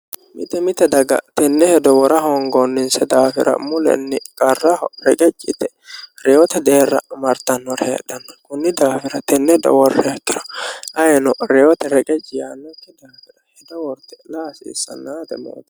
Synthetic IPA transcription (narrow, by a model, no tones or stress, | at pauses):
mɪ̰t̪ɛmɪt̪ːɛd̪ɐɡɐ̰t̪ɛnːɛhɛd̪ɔwɔɾɐɦɔŋɡɔnːɪnsɛd̪aːfɪɾʔɐ̰mʊlɛ̰nːɪkʼɐrːɐhɔɾɛkʼɛt͡ʃʼːɪt̪ɛ | ɾɛwɔt̪ɛd̪e̞ːrːɐ̰mɐɾt̪ɐnːɔɾhḛːᶑɐnːɔkʊnːɪd̪aːfɪɾɐt̪ɛnːɛd̪ɔ̰wɔrːɛt̪ːɪɾɐ̥ɐjɛnɔɾɛwɔt̪ɛɾɛkʼɛt͡ʃʼːɪjanːɔt̪ːɪd̪aːfɪɾɐhɛd̪ɔwɔɾt̪ɛ̥laːsɪ̰ːsːɐ̰nːaːd̪ɛmḛːd̪ɐ